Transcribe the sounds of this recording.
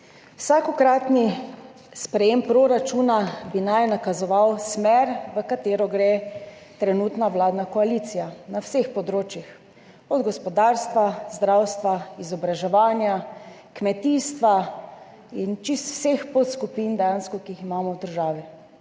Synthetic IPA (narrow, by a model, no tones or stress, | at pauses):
wsaːkɔkɾat̪ni | spɾɛjempɾoɾat͡ʃunabinajnakazɔʋawsmɛɾʋəkat̪eːɾɔɡɾe | t̪ɾɛnuːt̪nawlaːd̪nakɔalit̪sijanawsexpɔd̪ɾoːt͡ʃjix | ɔd̪ɡɔspɔd̪aɾst̪ʋazd̪ɾawst̪ʋaizɔbɾaʒɛʋaːnja | kmɛt̪iːst̪ʋa | int͡ʃist̪w̥sexpot̪skupind̪ɛjanskɔkiiximaːmɔwd̪əɾʒaːʋi